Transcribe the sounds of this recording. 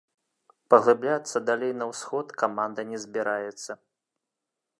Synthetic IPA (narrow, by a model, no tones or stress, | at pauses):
pɐɣlˠɨblʲat̪sːɐd̪alʲejnɐwsxɔt̪kamand̪ɐnʲɛzʲbʲiɾajɛt̪sːɐ